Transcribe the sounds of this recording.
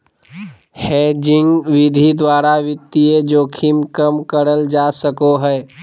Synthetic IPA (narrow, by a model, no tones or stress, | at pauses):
heːd͡ʒɪŋɡʋɪd̪ʱid̪waːɾaʋɪt̪ːied͡ʒoːkʰimkəmkəɾəld͡ʒasəkoɦɛː